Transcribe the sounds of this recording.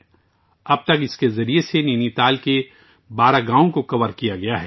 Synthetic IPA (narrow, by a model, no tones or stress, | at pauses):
ɐb̚t̪ɐkɪskezɐɾieseneːnit̪aːlke | baːɾaɡãːõkokɐʋəɾkijaɡɐjaɦɛ